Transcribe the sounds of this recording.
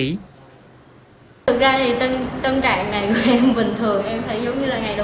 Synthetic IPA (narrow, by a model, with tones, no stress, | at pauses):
ḭ˧˥ | t̪ɨ˨˩k̚zaː˧t̪ʰi˨˩t̪ə˧nt̪ə˧nt͡ɕa̰ː˧˨ŋːa˨˩jku˧˩˦ʔɛ˧mvï˨˩ŋ̟t̪ʰɨ˨˩əŋʔɛ˧mt̪ʰə˨˦jzə˨˦wŋ͡mɲɨ˧laː˨˩ŋa˨˩jɗə˨